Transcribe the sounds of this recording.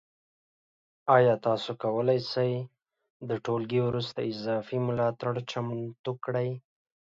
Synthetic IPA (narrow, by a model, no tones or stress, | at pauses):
ɑjɑt̪ɑsokawəlajsaj | d̪əʈolɡiwɾust̪aɪzɑfimʊlɑt̪aɽt͡ʃamt̪ukɽaj